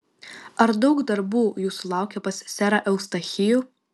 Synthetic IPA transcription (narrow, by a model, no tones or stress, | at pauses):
ɐɾd̪ɒʊkd̪ɐɾbuːjuːsʊlˠɑˑʊkʲɛpɐsʲsʲæːɾɐʔɛʊst̪ɐxʲɪju